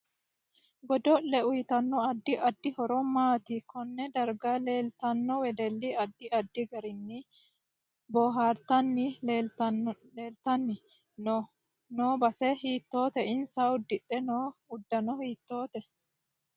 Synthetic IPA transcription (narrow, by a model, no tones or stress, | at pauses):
ɡɔd̪ɔʔːɛʊjt̪ɐnːɔɐd̪ːɪʔɐd̪ːɪhɔɾɔmaːt̪ɪkɔnːɛd̪ɐɾɡaleːlt̪ɐnːɔwɛd̪ɛlːiɐd̪ːɪɐd̪ːɪɡɐɾɪnːɪ | bɔːɦaːɾt̪ɐnːɪeː | eːlt̪ɐnːɪ | n | noːbɐsɛɦiːt̪ːo̞ːt̪ɛɪnsaʊd̪ːɪᶑːɛnoːʊd̪ːɐnɔhiːt̪ːo̞ːt̪ɛ